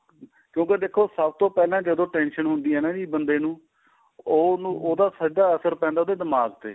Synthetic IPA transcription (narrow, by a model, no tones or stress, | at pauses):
kjõːkeːd̪eːkʰːoːsəb̚t̪õːpɛːlãːd͡ʒəd̪õːʈɛ̃ːnʃənɦʊ̃nd̪iːɛːnãːd͡ʒiːbənd̪eːnũː | oːnũːʔoːd̪aːsəd͡ʒd̪aːəsəɾpɛ̃ːnd̪aoːd̪eːd̪əmaːɡt̪ḛː